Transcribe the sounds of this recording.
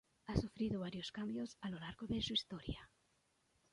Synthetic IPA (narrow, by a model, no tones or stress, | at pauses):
asufɾiðʊβaɾjoskambjosalolaɾɣoðesuist̪ɔɾja